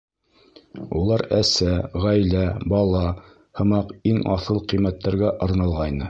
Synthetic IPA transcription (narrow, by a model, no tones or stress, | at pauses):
ulˠɑɾæsæʁæjlæbɑlˠɑ | hɤ̆mɑqiŋɑθɤlˠqɤjmæt̪ːæɾɡæʔɤ̆ɾnɑlˠʁɑjnɤ